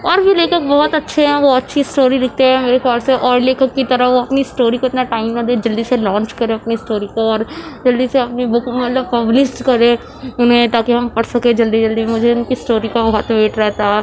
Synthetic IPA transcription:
ɔːɾbʱileːkək̚bɔːɔt̪ətːʃʰeɦɛ̃ːʋoːɐtːʃʰisʈoːɾilɪkʰt̪eɦɛ̃ːmeːɾexʰaːlseʔɔːɾleːkəkːit̪əɾəʋoɐpnisʈoːɾiːkoɪt̪naʈaːɪmãd̪ed͡ʒəld̪iselɔ̃ːnt͡ʃkəɾẽɐpnisʈoːɾikoɔːɾd͡ʒəld̪iseɐpnibʊkmɐt̪ləb̚pəblɪsʈkəɾẽː | ʊnɦẽt̪aːkeɦɐmpəɽsəkẽd͡ʒəld̪id͡ʒəld̪imʊd͡ʒʱeʊnkisʈoːɾiːkabɔːt̪beːʈɾɛɦt̪aː

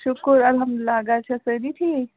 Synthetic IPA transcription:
ʃʊkəɾɐlɦɐmd̪ɪlːaɡat͡ʃʰɐsəniʈʰi

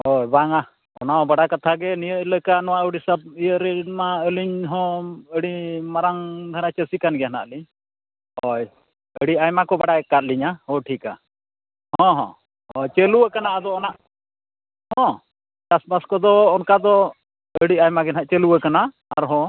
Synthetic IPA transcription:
hɔjbaŋa | ɔ̰naɔ̃baɽakat̪ʰaɡɛnijəʔləkaʔnɔwaʔəɽisab̚ijəɾɛmaəliɲɦɔ̃əɽimaɾaŋd̪ʱaɾat͡ʃəsikanɡɛɦana̰ʔliɲ | ɔj | əɽiajmakɔbaɽajkat̪̚liɲahɔ̃ʈʰika̰ | hɔ̃ɦɔ̰̃ | ɔjt͡ʃeluwəkanaʔad̪ɔɔnaʔ | hɔ̃ | t͡ʃasbaskɔd̪ɔːnkad̪ɔ | əɽiajmaɡɛnaʔt͡ʃɛluəkanaː | ɾɦɔ̃

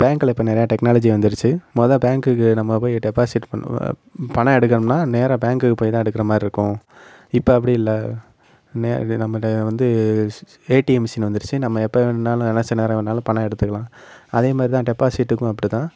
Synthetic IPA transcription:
b̥aːŋkɯlɐɪpːɐːnɛɾɐjaːʈɛknaːlɐd͡ʒiʋɐnd̪ɯɾɯt͡ʃːɯmɔðɐ̃baːŋkɯkːɯnɐmːɐpoːjɪʈɛpːaːsɪʈpɐ̰ | pɐɐ̃ɛɽɯk̬ːɐɾɐmnaːneːɾɐ̃baːŋkɯkːɯpoːjt̪ãːɛɽɯkːɪɾɐmaːd̪ɾiɾɯkːʊ̃ | ɪpːoɐp̬ːɐɽiɪlːɐ | neːnɐmːɐʋɐnd̪ɯ | eːʈiɛmsɪnʋɐnd̪ɯɾɯt͡ʃːɯnɐmːɐɛpːɐnːaːlʊ̃ɛnɐt͡ʃːɐneːɾɐ̃ʋnaːlɐ̃pɐɳɐ̃ɛɽɯt̪ːɯkːɐɭãːɐðeːmaːd̪ɾit̪ãːʈɛpːaːsɪʈːɯkːʊ̃ɐpːɐɽit̪ãː

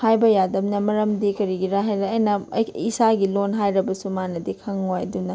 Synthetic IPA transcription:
hajbɐjadɐmnɐmɐɾɐmdikɐɾiɡiɾaɦajɾaːjnɐisaɡilonɦajɾɐbɐsumanɐdikʰɐŋːojdunɐ

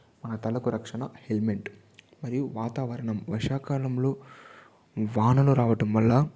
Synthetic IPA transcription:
mɐnɐt̪ɐlɐkuɾɐkʂɐɳɐhelmeɳʈ | mɐɾijuʋaːt̪aːʋɐɾɐɳɐmʋɐʂaːkaːlɐmlo̞ː | ʋaːnɐluɾaːʋɐʈɐmʋɐlːɐ

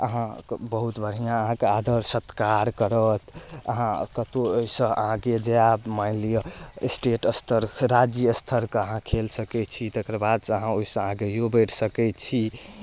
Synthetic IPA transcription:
ə̰ɦãbəɦut̪bʱəɽ̤ijãəɦãkead̪ʱəɾsət̪kaɾkəɾət̪ə̰ɦãkət̪ooisə̃ə̰ɦãked͡ʒeamaɪlijəsʈeʈəst̪ʰəɾɾad͡ʒjəəst̪ʰəɾkəɦãkʰelsəkɛt͡ʃʰit̪ekɾbad̪səɦãoisə̃ɦãkejobɛʈʰsəkɛt̪t͡ʃʰi

